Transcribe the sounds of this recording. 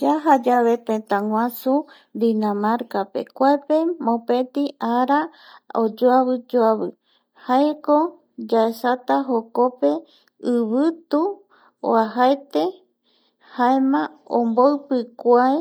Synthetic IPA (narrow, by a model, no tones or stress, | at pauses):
d͡ʒaɦad͡ʒaβe̞t̪ẽt̪ãŋwãsu | d̪inãmaɾkape̞̰kʷaepemõpẽ̞t̪iaɾa | od͡ʒoaβɨd͡ʒoaβɨ | haeko | d͡ʒaesat̪aɦoko̞pe̞ | ɨβɨt̪u | o̰aɦaet̪e̞ | haemãõ̰mboɨpɨkʷae